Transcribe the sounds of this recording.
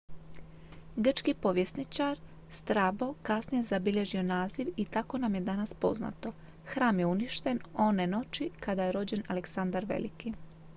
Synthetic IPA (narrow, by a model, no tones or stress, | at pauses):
ɡr̩t͡ʃkipoʋjesnit͡ʃaɾ | st̪ɾabo̞kasnije̞zabiʎʲe̞ʒio̞naːziʋit̪ako̞namje̞d̪anaspo̞̰zna̰t̪o̞ | xɾaːmje̞uniʃt̪e̞no̞neno̞t͡ʃikad̪ajeɾo̞d͡ʑe̞naleksand̪aɾʋḛliki